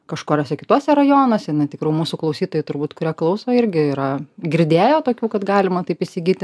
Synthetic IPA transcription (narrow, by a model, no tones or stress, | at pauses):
kɐʃkoːɾʲoːsʲɛkʲɪt̪uɔsʲɛɾɐjoːnoːsʲɛɪnɐɪt̪ʲɪkɾuːjmuːsuklˠɐʊsʲiːt̪oːjɛɪt̪ʊɾbuːt̪kʊɾʲiɛklˠɐʊsoːɪɾʲɡʲɪiːɾɐɡʲɪɾʲd̪ʲeːjoːt̪oːkʲuːkɐt̪ɡɑːlʲɪmɐt̪ɐɪpɪsʲɪɡʲit̪ʲɪ